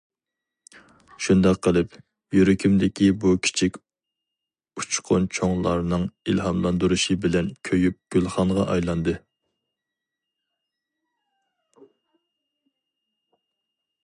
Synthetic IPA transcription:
ʃund̪ɑqʰːəlˠɪp | jyɾɪkʲʰimd̪ɪkʲibukʲʰi̥t͡ʃʰikʲ | ut͡ʃqʰʊnt͡ʃʰoŋlˠɑɾnɨŋilɦɑmlˠɑnd̪uɾuʃɨbɪlɛnkʲʰøjyp̚ɡ̥ʲylˠχɑŋʁɑʔɑjlˠɑnd̪ɨ

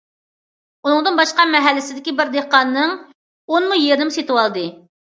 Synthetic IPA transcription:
unɨŋd̪ɨnbɑʃqɑmɛɦɛlːɪsɪd̪ɪkʲibɪɾd̪ehqɑnːɨŋ | onmujeɾnɪmset̪ɨwɑlˠd̪ɨ

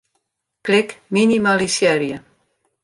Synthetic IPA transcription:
plekminimalisjɛɾja

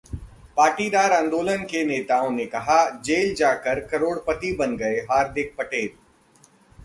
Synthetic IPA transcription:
paːɾʈid̪aːɾãːnd̪oːlənkeneːt̪aːõnekɐɦad͡ʒeːld͡ʒaːkəɾkɐɾoːɽpɐt̪ibɐnɡɐeɦaːɾd̪ɪk̚pɐʈeːl

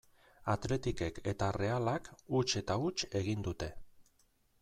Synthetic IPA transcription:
at̪le̞t̪ike̞ke̞t̪are̞alakut͡ʃe̞t̪aut͡ʃe̞ɣ̞ind̪ut̪e̞

